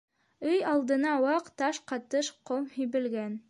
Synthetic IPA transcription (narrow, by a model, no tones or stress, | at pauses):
ɵjɑlˠd̪ɤ̆nɑwɑqt̪ɑʃqɑt̪ɤʃqomhijβɘ̆lɡæn